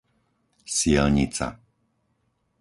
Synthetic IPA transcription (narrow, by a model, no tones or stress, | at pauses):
sɪɛlɲit͡sa̰